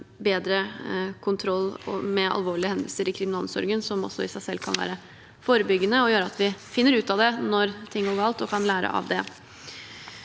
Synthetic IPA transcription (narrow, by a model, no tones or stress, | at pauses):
beːd̪ɾəkʰʊnt̪ʰɾɔlːmɛɑ̰lʋoːɭɪəhɛnd̪əlsəɾɪkʰɾɪmɪnɑlsɔ̰ɾɡənsɔmɔ̰sːɔɪsæɪsɛlːkʰɑ̰nʋæ̰ːɾə | foːɾəbʏɡːənəɔjøːɾəɑt̪ʰʋɪfɪnːəɾʉːt̪ɑd̪ɛnɔɾt̪ʰɪŋːɡoːɾɡɑːlt̪ɔkʰɑnlæːɾə̰ʔɑ̰ʋd̪ɛ